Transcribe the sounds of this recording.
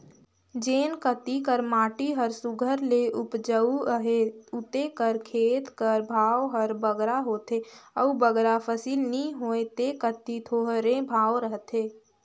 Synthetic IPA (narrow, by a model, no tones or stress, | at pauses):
d͡ʒeːnkət̪ikəɾmaːʈiɦəɾsʊɡʱəɾleʔʊpd͡ʒəuəɦeʊt̪ekəɾkʰeːt̪kəɾbʱaːwɦəɾbəɡɾaɦoːt̪eəubəɡɾapʰəsiːlnĩɦoːet̪ekət̪it̪ʰoːɦɾẽbʱaːwɾəɦət̪eː